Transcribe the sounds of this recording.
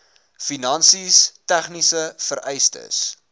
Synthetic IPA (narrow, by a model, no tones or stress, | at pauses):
finɐnsistæχnisəfəɾɛjstə̰s